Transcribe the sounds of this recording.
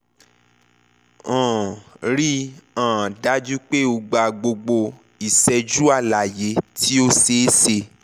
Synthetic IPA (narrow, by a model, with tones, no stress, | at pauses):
ɔ̃˨ɾi˦ãː˨da˨˦d͡ʒu˦k͡pe˦o˧ɡ͡ba˧ɡ͡bo˧ɡ͡bo˧ | i˨sɛ˧d͡ʒu˦a˦˨la˨je˨˦tʰi˦o˦se˨˦se˧